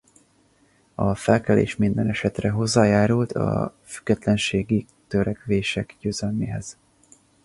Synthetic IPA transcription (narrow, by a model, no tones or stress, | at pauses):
ɒfɛlkɛlḛːʃmind̪ɛnɛʃɛt̪rɛɦo̞zːaːjaːɾult̪ʰɒ̰fy̥ɡːɛt̪lɛnʃeːɡi | t̪øɾɛkʋeːʃɛkjøːzɛlmeːɦɛz̥